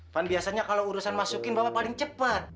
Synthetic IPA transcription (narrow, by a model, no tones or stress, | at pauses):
fanbiasaɲakalowuɾusanmasukɪnbabat̚palɪŋt͡ʃəpat̪̚